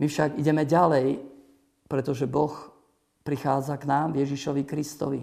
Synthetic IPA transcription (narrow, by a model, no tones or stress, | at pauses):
mifʃaɡiɟɛmɛɟalɛj | pɾɛt̪ɔʒɛbɔx | pɾixaːd͡zaknaːmvjɛʒiʃɔʋikɾist̪ɔ̰ʋḭ